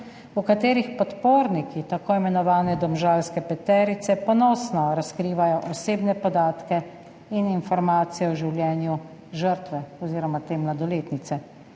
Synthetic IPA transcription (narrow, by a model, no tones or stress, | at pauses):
ukat̪eːɾixpɔt̪poːɾnikit̪akoimɛnɔʋaːnɛd̪ɔmʒaːlskɛpɛt̪ɛɾit̪sɛpɔnɔːsnɔɾaskɾiːʋajɔʔɔseːbnɛpɔd̪aːt̪kɛ | ininfɔɾmaːt̪sijɛɔʒiwljɛːnju | ʒəɾt̪ʋɛɔziːɾɔmat̪eːmlad̪ɔleːt̪nit̪sɛ